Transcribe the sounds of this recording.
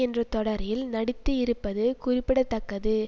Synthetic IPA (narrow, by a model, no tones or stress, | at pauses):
ɛndrɐt̪ɔɽɐɾjɪlnɐɽɪt̪ːɯɪɾɯpːɐðɯkʊrɪpːɪɽɐt̪ːɐkːɐðɯ